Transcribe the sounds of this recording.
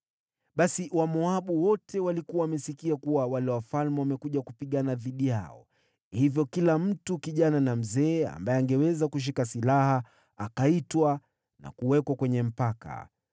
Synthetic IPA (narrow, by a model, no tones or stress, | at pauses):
ɓasiwamɔaɓuwɔtʰɛwalikuwamɛsikiakuwawalɛwafalmɛwamɛkuʄakupiɠanaðiɗija̰ɔ̰ | hivjɔkilam̩tukiʄananam̩zɛːa̰mbaɛaŋɡɛwɛzakuʃ̬ikasilaha | akaitwa | na̰kuwɛkwakwɛɲɛm̩paka̰